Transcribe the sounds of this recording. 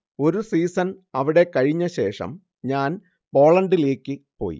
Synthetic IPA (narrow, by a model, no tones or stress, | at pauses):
o̞ɾusiːsɐn | ɐʋiɽe̞kɐɻiɲːɐɕe̞ːʂɐ̰m | ɲaːn | po̞ːɭɐɳɖile̞ːkʲːɨpo̞̰ːjḭ